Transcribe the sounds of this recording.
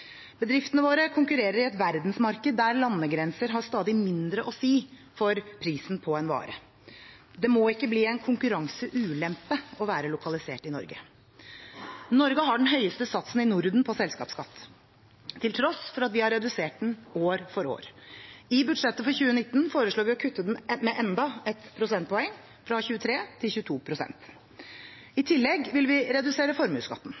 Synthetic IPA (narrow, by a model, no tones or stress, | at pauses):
b̥əd̪ɾɪft̪ənəʋoːɾəkʰʊŋkʉɾeːɾəɾɪɛt̪ʋæɾd̪nsmɑɾkəd̪ːæɾlɑnːəɡɾɛnsəɾɦɑɾst̪ɑːd̪ɪmɪnd̪ɾəʔɔsiː | fɔɾpʰɾiːsn̩pʰɔɛnʋɑ̰ːɾə̰ | d̪ɛmoːɪkːəbliːɛnkʰʊŋkʉɾɑŋsəʔʉːlɛmpəɔʋæːɾəlʊkʰɑlɪsḛːʈɪnɔ̰ɾɡə̰ | nɔɾɡəɦɑɖn̩ɦœʏəst̪əsɑt̪sn̩ɪnʊɾd̪n̩pʰɔsɛlskɑ̰ːpskʰɑt̪ː | t̪ʰːɪlt̪ʰɾɔsfɔɾɑt̪ʋɪhɑɾːɛd̪ʉseːʈ̚d̪noːɾfɔɾo̰ːɾɪbʉɖ̪ʂɛt̪ːəfɔɾçʉːənɪt̪ːn̩foːɾəʂɭoːɾʋɪɔkʰʉt̪ːəd̪ɛnmɛʔɛnd̪ɑɛt̪pʰɾʊsɛnt̪̚pʰɔɛŋː | fɾɑçʉːət̪ʰɾeːt̪ʰɪlçʉːət̪ʰuːpʰɾʊsɛ̰nt̪ | ɪt̪ʰɪlːɛɡʋɪlʋɪɾɛd̪ʉseːɾəfɔɾmʉ̰ːskɑ̰t̪ːn̩